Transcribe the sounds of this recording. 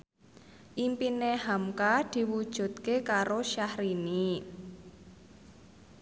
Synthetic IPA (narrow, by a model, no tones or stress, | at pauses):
ʔimpinehamkad̪̥i̤wud̥ʒ̥ṳt̪̚kekaɾoʃahɾini